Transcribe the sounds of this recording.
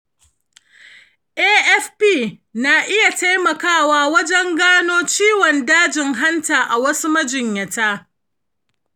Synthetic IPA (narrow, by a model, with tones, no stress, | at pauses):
ʔeː˦ʔɛ˦fpiː˦˨ | na˨ʔɪ˦ja˨ta˦jmɐ˨kaː˦˨waː˦wɐ˦d͡ʒɛ˦ŋɡaː˦noː˦t͡ʃiː˦wɔ˨ndaː˦d͡ʒɪ˨ŋɦa˦ntaː˨ʔa˨wɐ˦su˦mɐ˦d͡ʒɪ˨ɲjɐ˨taː˦